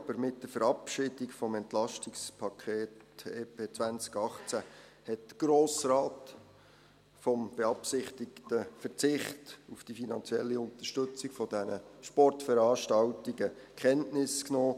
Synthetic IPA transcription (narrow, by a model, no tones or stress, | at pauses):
ɑb̥əɾmɪt̚d̥əfəɾɑpʃɪd̥ɪkfɔmɛntlɑʃtɪkspʰɑkʰeːteːpʰeːt͡sʋænt͡skɑχt͡sæ | hɛt̚ɡ̥ɾoːsrɑːt | fɔmb̥eɑpsɪχtɪktəfərt͡sɪχtufd̥ifinɑnt͡sjɛlːiʊnt̪ərʃtɵt͡sɪkfɔd̥ɛnəʃpɔrtfəɾɑːʃtɑltiɡə | kχɛntnɪsknoː